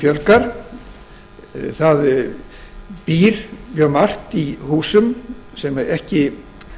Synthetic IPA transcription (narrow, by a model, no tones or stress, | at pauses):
fjœlkaɾ̥ | θað | piːɾmjœmar̥t̪ihuːsʏm | sɛmaɛhcɪ